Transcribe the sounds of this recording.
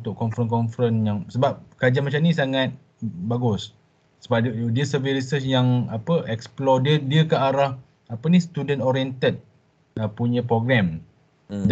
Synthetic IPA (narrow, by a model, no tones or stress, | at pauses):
ut̪ʊʔkɔnfɾənkɔnfɾənjaŋsəbap̚kad͡ʒamat͡ʃamnĩsaŋat̪̚ | baɡʊs | səbadiəsəviɾisəsjaŋapəʔɛksplɔdiədiəkaaɾah | apənist̪udənoɾiɛnt̪ət̪̚ | əpuɲə̃pɾoɡɾɛm | d